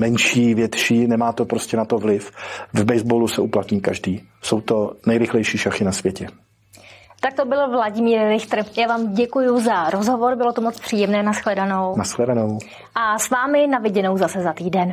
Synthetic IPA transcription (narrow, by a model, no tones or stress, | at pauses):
mɛnʃiːvjɛt̪ʃiːnɛmaːt̪opɾoscɛnat̪o̞vlɪfvbɛjzbolusɛuplat̪ɲiːkaʒdiː | so̞wt̪o̞nɛjɾɪxlɛjʃiːʃaxɪnasvjɛcɛ | t̪ak̚t̪obɪlvlaɟɪmiːɾːɪxt̪r̩jaːvaːmɟɛkujʊzaɾozɦovoɾbɪlo̞t̪omot͡spr̥iːjɛmnɛːnasxlɛdano̞wnasxlɛdanow | ʔasvaːmɪnavɪɟɛno̞wzasɛzat̪iːdɛn